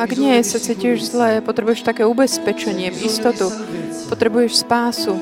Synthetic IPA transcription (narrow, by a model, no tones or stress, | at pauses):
aɡɲɪɛsat͡siːciɛʒzlɛːpɔt̪ɾɛbujɛʃt̪akɛːubɛspɛt͡ʃɛɲɪɛʔist̪ɔt̪u | pɔt̪ɾɛbujɛʃspaːsu